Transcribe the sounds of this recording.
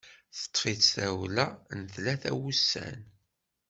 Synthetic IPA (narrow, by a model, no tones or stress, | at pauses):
θə̥t̪ˤːfit͡sθæwlænθlæθæ̰wusːæ̰n